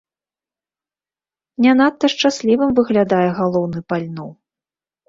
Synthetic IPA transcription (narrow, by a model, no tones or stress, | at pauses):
nʲanat̪ːɐʂt͡ʂasʲlʲivɨmvɨɣlʲad̪ajɛɣalˠɔwnɨpalʲnɔw